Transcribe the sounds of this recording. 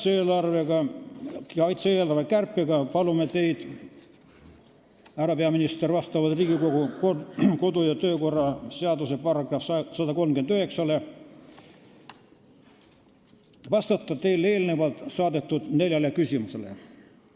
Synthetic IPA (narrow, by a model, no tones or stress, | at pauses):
seːlɑrveɡɑ | jɑɑjt̪seeːlɑrvekærpːˑiɡ̥ɑpɑlumet̪e̞jd̪̥ | æɾɑpeɑminist̪ervɑst̪ɑvɑlt̪riːɡ̥ikoɡu | ko̞d̪ujɑt̪ø̞ːko̞rːɑse̞ɑd̪use̞pɑrɑɡ̥rɑfsɑd̪ɑko̞lmkyend̪yhe̞ksɑle̞ | vɑst̪ɑt̪ˑːɑt̪e̞jlːeːlnevɑlt̪sɑːd̪e̞t̪ːud̪̥ne̞lʲjɑlekysimuse̞lḛ